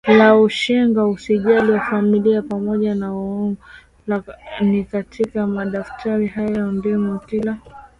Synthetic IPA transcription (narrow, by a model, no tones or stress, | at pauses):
lauʃɛŋɡausiʄaliwafamiliapamɔʄanaɔŋɡɔ | lanikatʰikamaɗaftʰaɾihajɔndimɔtila